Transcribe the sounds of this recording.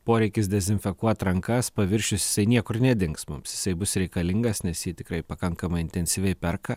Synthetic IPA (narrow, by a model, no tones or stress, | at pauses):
poːɾʲɛɪkʲɪsd̪ʲɛzʲɪnʲfʲɛkuɔt̪ɾɐŋkɐspɐʋʲɪɾʲʃʲʊsjɪ̥sɐɪnʲiɛkʊɾnʲɛd̪ʲɪŋksmʊ̰msjɪsɐɪbʊsɾʲɛɪkɐlʲɪŋɡɐsnʲɛsjiːt̪ʲɪkɾɐɪpɐkɐŋkɐmɐɪɪnʲt̪ʲɛnʲsʲiʋʲɛɪpʲɛrkɐ